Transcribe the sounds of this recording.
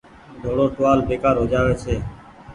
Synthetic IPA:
d̪ʱoːɽoːʈʋaːlbeːkaːɾɦoːd͡ʒaːʋẽːseː

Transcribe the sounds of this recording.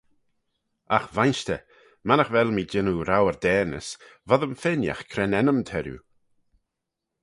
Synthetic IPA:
axvajnʃtə | manəxvɛlmiːd͡ʒɪnuɾawəɾd̪ɛːnə̰svɔðəmfɪnja̰xkʰɾɛnɛnəmt̪ʰɛɾjṵ

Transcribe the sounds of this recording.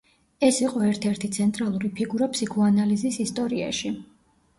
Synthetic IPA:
ɛsiqʼɔɛɾt̪ʰɛɾt̪ʰit̪sʰɛnt̪ʼɾalˠuɾipʰiɡuɾapʰsikʰɔanalizisist̪ʼɔɾia̰ʃi

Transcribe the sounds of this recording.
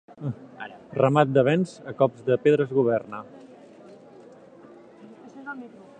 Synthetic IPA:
rəmat̪̚d̪əβɛnzəkɔpzðəpeðɾəzɣuβ̞ɛrnə

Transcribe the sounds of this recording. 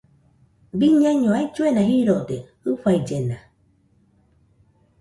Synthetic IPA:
biɲãɲõaid͡ʒuenãɦiɾod̪e | ɨɸaid͡ʒena

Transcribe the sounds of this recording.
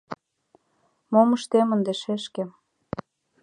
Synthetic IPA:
moməʃt̪emə̆nd̪eʃeʃkĕ

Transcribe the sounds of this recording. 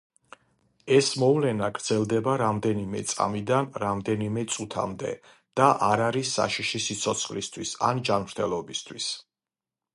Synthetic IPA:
ɛsmɔvlɛnaɡɾd̪z̥ɛlˠd̪ɛbaɾamd̪ɛnimɛ̰t̪sʼa̰mid̪anɾamd̪ɛnimɛt̪sʼut̪ʰa̰md̪ɛ̰ | d̪̥aʔaɾaɾisːa̰ʃiʃisit̪sʰɔt̪sʰχlist̪ʰwisa̰nd͡ʒanmɾt̪ʰɛlˠɔbist̪ʰwis

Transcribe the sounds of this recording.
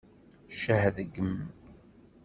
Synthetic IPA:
ʃəhðɡəm

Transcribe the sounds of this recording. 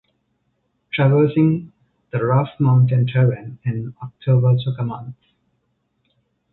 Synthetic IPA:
ʈʰɾæʋəːsɪ̃ŋ | d̪̥əɾafmãʊ̃nʈɪ̃nʈʰɛɾə̃nɪ̃nɔk̚ʈʰoːbəsokəmʌ̃nt̪

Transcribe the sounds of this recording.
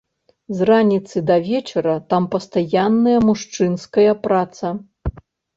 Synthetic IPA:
zranʲit̪sɨd̪ɐvʲɛt͡ʂɐɾɐt̪ampɐst̪ajanːɐjɐmuʂt͡ʂɨnskɐjɐpɾat̪sɐ

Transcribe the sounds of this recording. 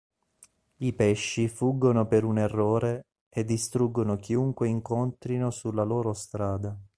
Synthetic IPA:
ipɛʃːifuɡːonopeɾunerːoːɾe | ed̪ːist̪ɾuɡːonokiuŋkweiŋkont̪ɾinosulːaloːɾost̪ɾaːd̪a

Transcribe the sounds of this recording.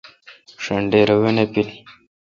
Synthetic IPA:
ʂɐɳɖeɾɐwenepili

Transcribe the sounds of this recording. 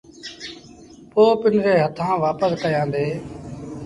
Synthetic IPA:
poːpɪnɾeːɦət̪ʰãːʋaːpəskəjãːnd̪eː

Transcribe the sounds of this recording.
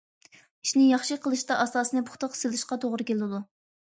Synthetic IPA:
iʃnɪjɑχʃɨqʰəlˠɨʃt̪ɑʔɑsɑːsɨnɨpʰʊχt̪ʰəqselɨʃqɑt̪ʰoʁɾɨkʲelɨd̪u

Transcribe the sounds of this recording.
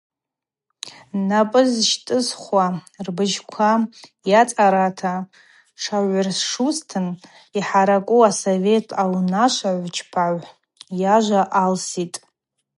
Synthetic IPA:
napʼɨzʃtʼɨzχʷwarbɨʒkʷʰajat͡sʼaɾatʰa | ʂaʕʷʊrsʂustʰɨn | iħaɾakʷʼuasove̞tʰawnaʃʷaʕʷt͡ʃʰpʰaʕʷ | jaʒʷaʔalsitʼ

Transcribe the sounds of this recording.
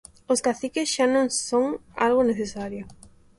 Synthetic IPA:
oskaθikesʃanõŋsoŋa̰lɣoneθesaɾjo

